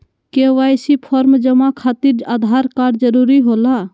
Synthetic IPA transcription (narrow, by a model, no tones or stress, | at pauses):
keʋajsipʰɔɾmd͡ʒəmakʰat̪iɾad̪ʱaɾkaɾd͡ʒəɾuɾiɦola